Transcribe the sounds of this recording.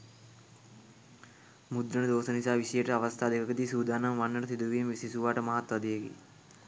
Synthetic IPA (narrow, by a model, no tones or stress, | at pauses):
mud̪ɾɐɳɐd̪oːsɐnisaːʋisɐjeʈɐɐʋɐst̪ʰaːd̪ekʰɐkɐd̪iːsuːd̪aːnɐmʋɐnːɐʈɐt̪ʰid̪uʋijɐmʋisisuʋaːʈɐmɐɦɐt̪ːʋɐd̪ijekḭ